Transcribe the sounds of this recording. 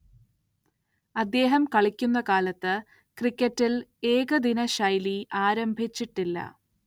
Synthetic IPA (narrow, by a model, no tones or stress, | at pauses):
ɐd̪ːe̞ːɦɐmkɐɭikʲːunːɐkaːlɐt̪ːɨ | krikʲːɐtːile̞ːɣɐd̪inɐɕɐjliaːɾɐmbʱit͡ɕːiʈːilːɐ̰